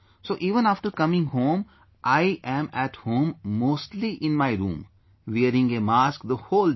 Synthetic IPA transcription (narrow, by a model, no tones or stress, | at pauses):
soːʔiːʋə̃naːfʈəɾkʌmɪ̃ŋɡhõːm | ʔaɪʔɛ̃mɛʈhõːmːoːsʈliʔɪ̃nmaɪɾṵ̃ːm | ʋeːɾɪ̃ŋɡemaːskd̪əhoːl